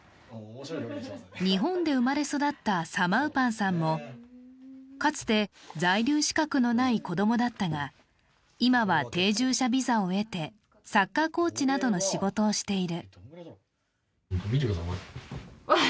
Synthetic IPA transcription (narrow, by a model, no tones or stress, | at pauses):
ɲ̟iɦõ̞nd̪e̞ɯ̟maɾe̞so̞d̪at̪ːasamaɯ̟pãɰ̃sãmːo̞ | kat͡sɨ̥t̪e̞d͡zaiɾʲɨːɕi̥kakɯ̟no̞naiko̞d̪o̞mo̞d̪at̪ːaɡa | imaβat̪e̞ːʑɨːɕabʲizao̞e̞t̪e̞ | sakːako̞ːt͡ɕinad̪o̞no̞ɕiɡo̞t̪o̞ːɕi̥t̪e̞iɾɯ̟ | kobʲiɾiod̪ama